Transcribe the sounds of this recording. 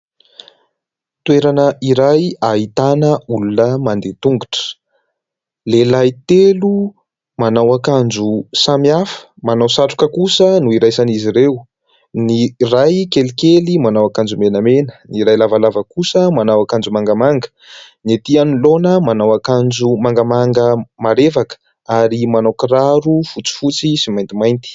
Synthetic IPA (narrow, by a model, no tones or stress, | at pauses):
t̪weɾanəiɾajaɦit̪anəulunəmand̪et̪uŋɡuʈ͡ʂə̥ | lelajt̪elu | manawakand͡ʒusamiafə̥manawsaʈ͡ʂu̥kəkusənuiɾajsaniziɾeu | nirajkelikelimanawakand͡ʒumenəmenə̥niɾajlavalavəkusəmanawakand͡ʒumaŋɡamaŋɡə̥ | niet̪ianilonəmanawakand͡ʒumaŋɡamaŋɡəmaɾevakə̥ | aɾimanawkraɾufut͡si̥fut͡sisimajnt̪imajnt̪i̥